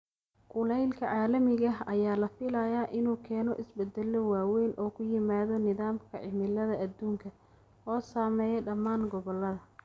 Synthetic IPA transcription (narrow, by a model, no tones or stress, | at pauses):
kʊlɛjlkʰɐʕaːlɐmɪɣɐɦɐjaːlɐfɪlɐjaːʔɪnuːkʰɛːnɔʔɪsbɛd̪ːɛlːɔwaːwɛːnʔɔːkʰʊjɪmaːðɔnɪðaːmkʰɐʕɪmɪlɐðɐʔɐd̪uːŋkʰɐ | ɔːsaːmɛːjɛɖɐmaːnɡɔβɔlːɐðɐ